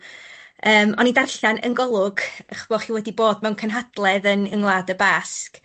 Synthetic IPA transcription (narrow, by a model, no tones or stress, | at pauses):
əːmɔnidarɬanə̰nɡɔlˠʊɡaχb̥ɔχiwɛdiboːd̚mɛwnkʰənɦad̥lˠɛðənəŋlˠaːdəbask